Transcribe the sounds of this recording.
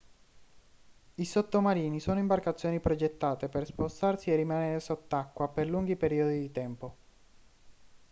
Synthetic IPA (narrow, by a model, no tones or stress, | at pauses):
isot̪ːomaɾiːnisoːnoimbarkat̪sːjoːnipɾod͡ʒet̪ːaːt̪eperspost̪arsierːimaneːɾesot̪ːakːwaperluŋɡipeɾiːod̪id̪it̪ɛmpo